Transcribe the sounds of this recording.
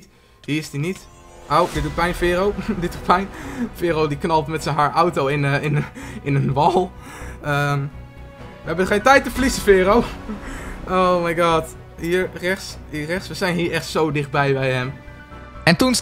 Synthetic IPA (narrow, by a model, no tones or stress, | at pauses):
t | hiːɪsdinitʔowdɪt̚dut̚pɛjnfɪːrowdɪtutpɛjnfɪːrowdiknɑlˠtmɛtsənɦaːɹʔawtowɪnɪnɪnənʋɑlˠ | əm | ʋəɦɛbənχejntɛjtːəflisəfɪːrow | ʔowmajɡɑːt | ɦiːəɹrɛsɦiərɛχsʋəzɛjnɦiːɹɛχtsowdɪχt̚bɛjbɛjhɛm | ɛntun